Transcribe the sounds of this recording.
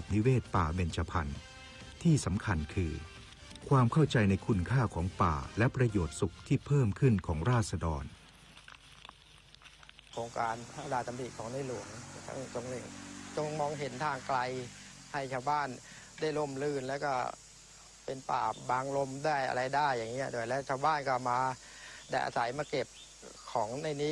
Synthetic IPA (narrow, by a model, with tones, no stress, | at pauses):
a˨˩p̚ni˦˥weː˥˩t̪̚paː˨˩be˧nt͡ɕʰa˧pʰa̰˧n | t̪ʰiː˥˩sa˩˦mkʰa˧nkʰɯː˧ | kʰwaː˧mkʰa˥˩wt͡ɕa˧jna˧jkʰu˧nkʰaː˥˩kʰɔː˩˦ŋpa̰ː˨˩lɛ˦˥pɾa˧joː˨˩t̪̚su˨˩k̚t̪ʰiː˥˩pʰɤː˥˩mkʰɯ˥˩nkʰɔː˩˦ŋɾaː˥˩t̪̚sa˧dɔ̰ː˧n | kʰoː˧ŋkaː˧nʰa˥˩daː˧˩t̪a˧mbi˨˩kʰːɔː˩˦ŋnaː˧˥˩lu˨˩˦əŋt̪ʰa̰˥˩ŋt͡ɕo˧ŋle˧˩ŋt͡ɕo˧ŋmɔː˧ŋɦe˩˦nt̪ʰaː˧ŋkla˧j | ha˥˩jt͡ɕʰaː˧wbaː˥˩n | daː˥˩jlo˥˩mlɯː˧˩nlɛː˦˥wkɔː˥˩ | pe˧npa̰ː˨˩baː˧ŋlo˧mdaː˥˩əjʔa̰˧ɾa˧jdaː˥˩jːaː˨˩ŋːi˦˥ɐdo˧˩˨jlɛː˦˥˩wt͡ɕʰaː˧˩wbaː˥˩nkɔː˥˩maː˧ | da˥˩jʔa̰ː˧sa˩˦jmaː˧ke˨˩p̚ | kʰɔː˩˦ŋna˧˩jniː˦˥